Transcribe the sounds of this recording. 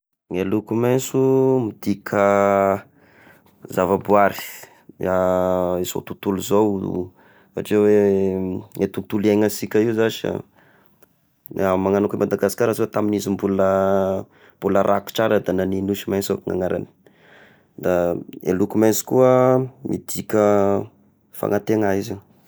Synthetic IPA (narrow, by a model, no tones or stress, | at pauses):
ŋelukumasumid̪ikʲʰa | zavabuaɾi̥ | aiso̰t̪ut̪uluzow̰ | fa̰ʈ͡ʂewe | et̪ut̪uliaŋasikʲaiuzaʃa̰ | amaŋanakimʔad̪aɡasi̥kaɾazot̪aminizimbulə | mbuləɾʔaku̥ʈ͡ʂaɾəd̪ananinuʃimajsoŋa̰ŋaɾa̰ni̥ | d̪aḛlukumajsi̥kuəmʔḭd̪̥ikʲə | fa̰ŋat̪eŋaizi